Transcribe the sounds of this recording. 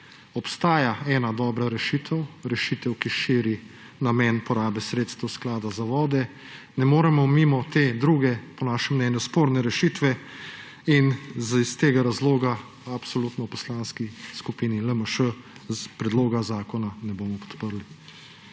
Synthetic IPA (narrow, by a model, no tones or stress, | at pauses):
ɔpst̪aːjaɛːnad̪ɔːbɾaɾɛʃit̪ʰɛwɾɛʃit̪ɛwkiʃiːɾi | namɛːnpɔɾaːbɛsɾeːt̪st̪ɛwsklaːd̪azaʋɔːd̪ɛ | nɛmoːɾɛmɔmimɔt̪eːd̪ɾuːɡɛpɔnaːʃɛmːnɛːnjuspoːɾnɛɾɛʃiːt̪ʋɛ | inzist̪eːɡaɾazloːɡa | apsɔlut̪nɔwpɔ̥slaːnskiskupiːniləməʃə | zpɾɛd̪loːɡazaːkɔnanɛboːmɔpɔ̥t̪pəɾli